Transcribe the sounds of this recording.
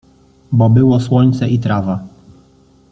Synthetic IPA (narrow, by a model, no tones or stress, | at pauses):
bɔbɘwɔswɔɲt̪sɛʔit̪ɾava